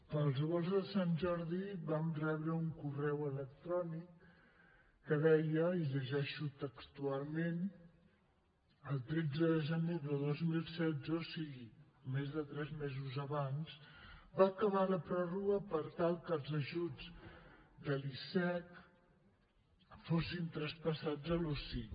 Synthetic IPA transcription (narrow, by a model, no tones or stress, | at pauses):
pəlˠzɣɔlˠzðəsanʒɔɾðibamrɛβɾəuŋkurɛwələkt̪ɾɔnikː | əðɛjəiʎəʒɛʃut̪əkst̪ualˠmen | əlˠt̪ɾed͡zəðəʒəneðəðozmilˠsɛd͡zəosiɣi | mezðət̪ɾɛzmɛzuzəβanzbaːkəβaləpɾɔruɣəpəɾt̪alˠkəlˠzəʒud͡z | d̪əlisɛk | fosint̪ɾəspəsad͡zəlosi